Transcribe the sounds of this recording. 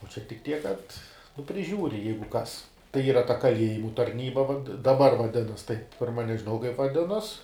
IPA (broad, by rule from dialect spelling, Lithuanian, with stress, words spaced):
oː t͡ʃʲɛ tʲɪk ˈtʲiɛk kɐt nʊ pʲrʲɪˈʒʲuːrʲɪ ˈjɛɪɡʊ ˈkɐs tɐɪ ˈiːrɐ tɐ kɐˈlʲiɛjɪmʊ tɐrʲˈnʲiːbɐ ʋɐt dɐˈbɐr ʋɐˈdʲɪnɐs tɐɪp ˈpʲɪrmɐ nʲɛʒʲɪˈnɐʊ kɐɪp ʋɐˈdʲɪnoːs